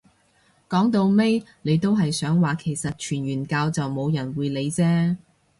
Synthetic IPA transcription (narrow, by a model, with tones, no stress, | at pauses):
kɔː˨˥ŋt̪o˧wme˥jne˨˧jt̪o˥wɦɐ˨jsœː˨˥ŋwaː˨kʰe˨˩jsɐ˨t̚t͡ʃʰyː˨˩nɥyː˨˩nkaː˧wt͡sɐ˨wmo˨˧wjɐ˨˩nwuː˨˧jle˨˧jt͡sɛː˥